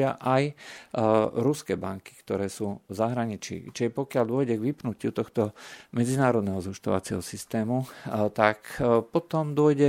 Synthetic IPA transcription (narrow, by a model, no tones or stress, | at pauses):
aʔaj | ɾuskɛbaŋki̥kt̪ɔɾɛːsuːvzaɦɾaɲit͡ʃḭːt͡ʃiɛpɔkɪald̪ʊɔjɟɛɡʋipnucɪut̪ɔxt̪ɔmɛd͡zinaːɾɔd̪nɛɦɔzɦuʃt̪ɔ̰ʋa̰t͡sɪɛ̰ɦɔsist̪ɛːmut̪akpɔt̪ɔmd̪ʊɔjɟɛ